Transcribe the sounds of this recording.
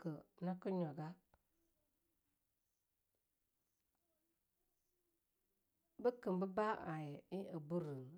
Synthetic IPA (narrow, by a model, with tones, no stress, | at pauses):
kə˨na˦kə˦ɲɔ˨ɡa˦ | bə˦kɨ˨mbə˦ba˦ʔa˨jɛ˨ɪ˦a˨bu˦ɾə˨